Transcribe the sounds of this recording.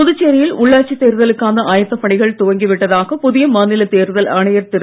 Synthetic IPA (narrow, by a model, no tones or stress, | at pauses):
ʊðɯt͡ʃːeːɾɪjɪlʊɭːaːt͡ʃːit̪eːɾɯðɐlɯkːaːnd̪ɐʔaːjɐt̪ːɐpɐɳɪɣɐɭt̪ʊɣɐŋɡɪʋɪʈːɐðaːɣɐpʊðɪjɐmaːnɪlɐt̪eːɾðɐlʔɐɳɐjɐɾt̪ɪɾ